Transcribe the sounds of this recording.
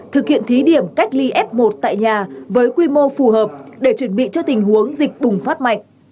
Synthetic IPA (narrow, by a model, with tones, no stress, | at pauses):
t̪ʰɨ˨˩k̚hḭ˧˨ənt̪ʰi˨˦ɗi˧˩əmka˦˥jk̟̚li˧ʔɛ˦˥p̚mo˨˩t̚t̪a̰ː˧˨jɲaː˨˩vəː˨˦jkwi˧mo˧fu˨˩ɦəː˨˩p̚ɗe˧˩t͡ɕwə˨˧˩nɓḭ˧˨t͡ɕɔ˧t̪ï˨˩ŋ̟ɦu˨˦əŋzï˨˩k̟̚ɓʊ˨˩ŋ͡mfaː˦˥t̚ma̰˧˨jŋ̟